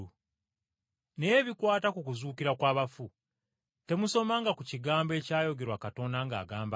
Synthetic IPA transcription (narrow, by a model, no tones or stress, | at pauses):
u | nejeβikwaːtakukuzuːkiɾakwaːβafu | te̞muso̞maŋɡakuciɡaːmbe̞ːcaːjo̞ɡe̞ɾwakato̞ndaŋɡa̰ːɡaːmba